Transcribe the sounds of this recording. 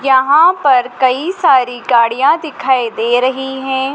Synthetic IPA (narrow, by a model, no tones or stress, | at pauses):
jɐɦãpɐɾkɐisaːɾiɡaːɽijãd̪ɪkʰaːid̪eːɾɐɦiɦɛ̃ː